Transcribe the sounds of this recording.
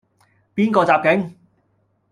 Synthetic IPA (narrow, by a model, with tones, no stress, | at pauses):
piː˥nkɔː˧t͡saː˨p̚kɪ˨˥ŋ